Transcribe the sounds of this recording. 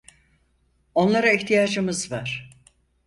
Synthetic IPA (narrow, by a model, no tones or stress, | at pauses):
o̞nlˠaɾaiçt̪ʰijaːd͡ʒɯmɯzvaɾ̥